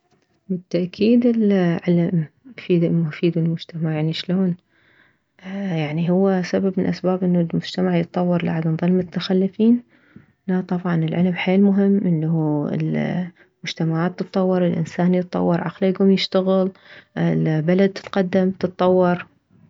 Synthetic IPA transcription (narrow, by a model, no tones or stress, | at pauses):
bɪt̪ːaʔkʰiːd̪ɪlʕɪlmfiːd̪fiːd̪ɪlmʊd͡ʒt̪ʰamaʕjaʕniʃloːn | jaʕniɦʊwːasababmɪnʔasbaːbʔɪnːulmʊd͡ʒt̪amaʕjɨt̪ˤːɑwːɑɾˤla̰ʕad̪ɪnðˤɨlmʊt̪ːaxalːɪfiːn | nat̪ˤɑbʕɑnɪlʕɪlmħeːlmʊɦɪmːʔɪnːahuːɪ̰l | mʊd͡ʒt̪amaʕaːt̪ːɨt̪ˤːɑwːɑɾˤɪlʔɪ̰nsaːnjɨt̪ˤːɑ̰wːɑɾˤʕa̰qlajɡuːmjɪʃt̪aɣɪlɪlbalad̪̚t̪ɪ̥t̪qɑd̪ːamt̪ɨt̪ˤːɑwːɑɾˤ